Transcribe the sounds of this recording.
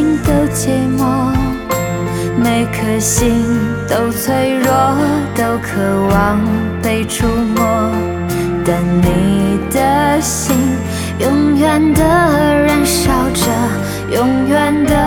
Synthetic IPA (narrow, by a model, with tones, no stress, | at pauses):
i˧ŋt̪o˧ʊt͡ɕɛ˧˥mwɔ˧˥ | me˧ɪkʰɤ˨˩ɕi˧˥ŋt̪o˧ʊt͡sʰwe˥ɪɻɔ˥t̪o˧˥ʊkʰɤ˨˩wɑ˧˦ŋ | pe˧ɪʈ͡ʂʰu˥˧mwɔ˧˥ | t̪ə˨˩nni˨˩d̪ə˦ɕi˧˥ŋ | jʊ˧˥ŋjɥɛ˨˩nd̪ə˨˧˥ɻə˧˥nʂɑ˧˩ʊʈ͡ʂə˧ | jʊ˧˥ŋjɥɛ˧˩nd̪ə˨˩